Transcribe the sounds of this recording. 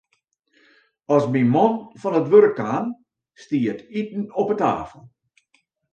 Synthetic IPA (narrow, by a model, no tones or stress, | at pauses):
ɔsmimɔnfɔnətʋøɾkːaːn | stiətʰitn̩ɔpəta̰ːfəl̩ˠ